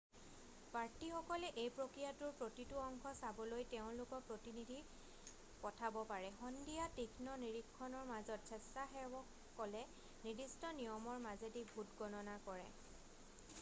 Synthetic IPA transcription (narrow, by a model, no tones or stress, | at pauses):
paɹtixɔkɔlɛʔejpɹokɹijatʊɹpɹotitʊɔŋkʰɔsabɔlojteʊ̃lʊkɔpɹotinidʱi | pɔtʰabɔpaɹɛxɔndijatikʰnɔniɹikʰːɔnɔɹmazɔt̚sʰɛstaɦɛɔ | kɔlɛ | nidistɔnijɔmɔɹmazedibʱutɡɔnɔnakɔɹɛ̰